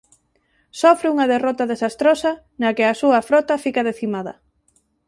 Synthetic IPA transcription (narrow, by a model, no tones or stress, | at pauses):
sɔfɾɪuŋɐðerɔt̪ɐðesast̪ɾosɐ | nɐkɪasuɐfɾɔt̪ɐfikaðeθimaðɐ̰